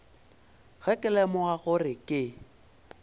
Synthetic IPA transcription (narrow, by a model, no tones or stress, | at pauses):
ɣɛkʼɪlɛmʊaɣʊrɪkʼɪ